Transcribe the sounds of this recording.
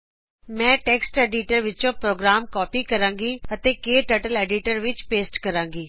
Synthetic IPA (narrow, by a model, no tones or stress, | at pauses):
mɛ̃ːʈɛːksʈɛːɖiːʈəɾʋɪt͡ʃõːpɾoːɡɾaːmkɔːpiːkəɾãːŋɡiːət̪eːkeːʈəːʈəlɛːɖiːʈəɾʋɪt͡ʃpeːsʈkəɾãːŋɡiː